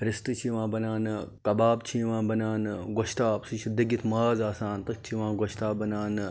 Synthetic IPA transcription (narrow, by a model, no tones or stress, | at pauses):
ɾist̪ɨt͡ʃʰiːʋãːbɐnaːnkɐbaːbt͡ʃʰiʋãːbɐnaːnɨɡoʃt̪aːpsɨt͡ʃʰid̪ɐɡit̪ʰmaːzaːsaːnt̪ɨkt͡ʃʰiʋãːɡoʃt̪aːbɐnaːnɨ